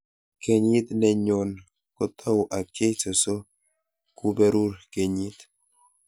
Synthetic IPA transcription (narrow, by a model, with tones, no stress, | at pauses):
ke˨ɲi˦t̪nɛ˨ɲɔ˨n | ko˨t̪ʰɔ˦wʔa˨ke˦t͡ʃo˨so˦ | ku˦bɛ˦ɾu˦ɾke˨ɲi˦t̪